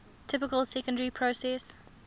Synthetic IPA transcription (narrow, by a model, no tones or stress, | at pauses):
tʰɪpɪkəlˠsɛkə̃ndəɹipʰɹosɛs